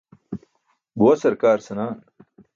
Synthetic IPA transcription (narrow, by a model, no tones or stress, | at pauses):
buwɐsɐɾkaːɾsɐnaːn